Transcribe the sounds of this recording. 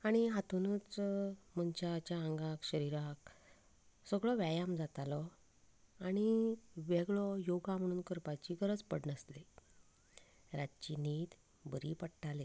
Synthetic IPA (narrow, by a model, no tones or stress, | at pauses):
aɽ̃iɦat̪unət͡sm̤əɲt͡ɕat͡ɕaəŋɡakɕəɾiɾak | səɡɭɔʋjajamd͡zat̪alɔ | aɽ̃iʋeɡɭɔjoɡam̤əɽ̃uːnkəɾpat͡ɕiɡəɾəd͡zpəɽnəsle | ɾat̪̚t͡ɕiniːt̪ | bəɾipəɽʈʰale